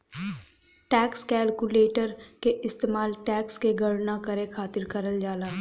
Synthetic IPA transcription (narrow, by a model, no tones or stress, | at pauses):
ʈɛːkskɛːlkuleːʈəɾkeʔɪst̪eːmaːlʈɛːkskeɡəɽnakɐɾẽkʰaːt̪ɪɾkɐɾəld͡ʒaːlaː